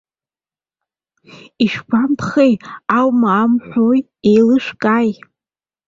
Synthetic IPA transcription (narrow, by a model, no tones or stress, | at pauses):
iʃᶣkʷʰampʰχejawmaːmħʷoj | ejlɨʂkʼaːj